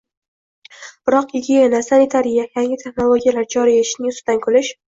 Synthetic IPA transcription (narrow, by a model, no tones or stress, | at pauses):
b̥ɪɾɒqjɪɡ̪ʲijanasanit̪ʰaɾijajaŋʲɪt̪ʰe̞χnolˠoɡʲijalaɾd͡ʒɒɾijeɪʃnɪŋʊsd̪ankʰɵlɪʃ